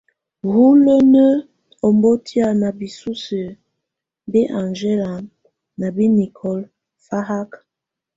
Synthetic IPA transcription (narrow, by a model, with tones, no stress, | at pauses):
hu˦lo˦nə˦ | ɔ˨mbo˦tʰi˦a˦˨na˨bi˨su˦sə˨ | bɛ˦ʔa˨nd͡ʒe˦la˨m | na˨bi˦ni˨kʰɔ˦l | fa˦ɦa˦k